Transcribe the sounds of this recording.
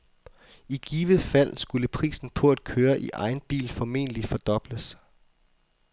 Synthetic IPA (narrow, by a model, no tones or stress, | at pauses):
iɡ̥iːʋəfæl̰sɡ̥uləpʰʁḭːsn̩pʰɒ̽æd̥kʰøːɐʔiʔɑ̈ɪnb̥ḭːlfɒme̝̰ːnəlifɒ̽d̥ɒ̽b̥ləs